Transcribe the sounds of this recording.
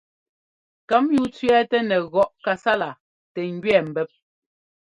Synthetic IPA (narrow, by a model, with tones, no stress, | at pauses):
ka˨˦mju˦t͡sɥɛ˦tɛ˦nɛ˨ɣɔ˦˨ʔka˨sa˦la˨ | tɛ˨ŋ˦ɡɥɛ˨m̩˨bɛ˦p̚